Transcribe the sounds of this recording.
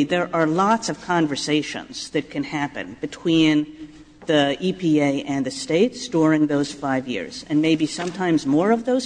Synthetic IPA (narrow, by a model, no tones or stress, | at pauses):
ðə˞ʔə˞lɑtsʌv̥kʰɑ̃ɱvə˞seɪʃɨ̰̃nz̥ðɨt̚kʰɨ̃nhæpɨ̰̃nb̥ɨtʰw̥ĩn | ðiʔipʰieɪʔɨ̃nðɨsteɪtsd̥ʊɹɪ̃ŋðoʊz̥faɪvjɪ̰ɹz̥ɨ̃nmeɪbisʌ̃mtʰãɪ̃mzmɔɹʌvðoʊz̥